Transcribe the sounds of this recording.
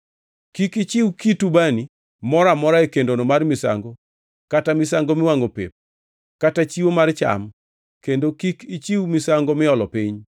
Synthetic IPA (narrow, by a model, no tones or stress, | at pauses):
kikit͡ʃɪwkitubani | mɔɾamɔɾaekendonomarmɪsa̰ŋɡo | katamɪsaŋɡomɪwaŋopḛp̚ | katat͡ʃiwomart͡ʃa̰m | kendokikit͡ʃiwmɪsaŋɡomɪɔlɔpiɲ